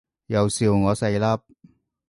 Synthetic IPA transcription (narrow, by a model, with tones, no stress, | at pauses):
jɐ˨˧wsiː˧wŋɔː˨˧sɐ˧jlɐ˥p̚